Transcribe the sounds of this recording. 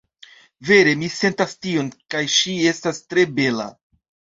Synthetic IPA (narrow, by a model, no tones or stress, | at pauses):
ve̞ɾe̞mise̞ntastio̞nkajʃie̞stastɾe̞be̞la̰